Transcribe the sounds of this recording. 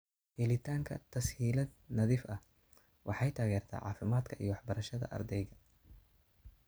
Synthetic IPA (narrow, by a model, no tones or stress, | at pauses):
hɛlɪt̪ʰaːŋkʰɐ̰t̪ʰɐshiːlɐd̪nɐðiːfɐh | wʔɑħɑjt̪ʰaːɣɛːrt̪ʰa̰ːʕɑ̰ːfɪmaːd̪kʰɐʔḭjɞwɑħbɐɾɐʃɐðɐ̰ʔɐ̰rd̪ɛjɣɐ